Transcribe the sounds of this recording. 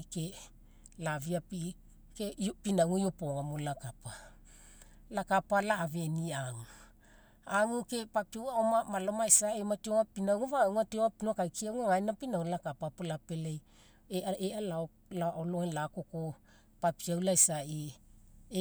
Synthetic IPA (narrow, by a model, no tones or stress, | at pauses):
ke | laviapi | keopinawŋujopoŋamolakapa | lakapalaːve̞niaŋu | aŋuke̞papiawaomamalomajsaematioŋapinawŋuvawŋatioŋapinokajkiawŋaajnapinawnlakapapolapelej | eaealao | laololakoko | papiawlajsai